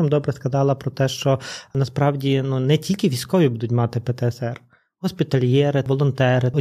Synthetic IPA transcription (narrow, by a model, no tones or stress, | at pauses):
ɐmd̪ɔbɾɛskɐd̪ɑlˠɐpɾɔt̪ɛʃt͡ʃɔnɐspɾɑwdʲinunɛtʲilʲkʲɪʋʲijsʲkɔʋʲibud̪ʊtʲmɑt̪ɪpɛt̪ɛɛsɛr | ɦɔspʲit̪ɐlʲjɛɾɪʋɔlˠɔnt̪ɛɾɪɔ